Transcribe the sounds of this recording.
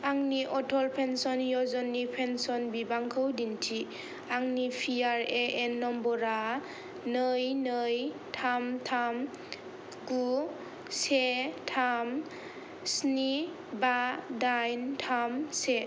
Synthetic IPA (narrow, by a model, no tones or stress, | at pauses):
aŋniʔɔtʰɔlpʰensɔnjɔzɔnːipʰensɔnbibaŋkʰɯwdintʰi | aŋnipʰiaɾeenːɔmbɔɾa | nɯjnɯjtʰamtʰam | ɡu | setʰam | sni | badajntʰamse